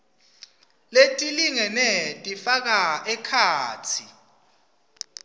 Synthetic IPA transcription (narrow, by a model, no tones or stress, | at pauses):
letʼiliŋɛnɛtʼifak̬aɛkʰaːt͡sʰi